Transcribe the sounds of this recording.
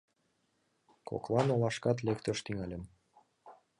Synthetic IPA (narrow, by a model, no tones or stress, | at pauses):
kʰo̰klɑnolɑʃkɑt̪̬lekt̪ə̆ʃt̪iŋɑlʲə̆m